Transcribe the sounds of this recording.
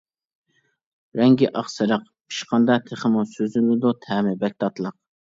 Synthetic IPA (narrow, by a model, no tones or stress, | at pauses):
ɾɛŋɡʲiʔɑχsɨɾəq | pʰi̥ʃqɑnd̪ɑt̪ʰeχɪmusøzylɪd̪ut̪ʰæmɪbɛk̚ʲt̪ʰɑt̪lˠəq̚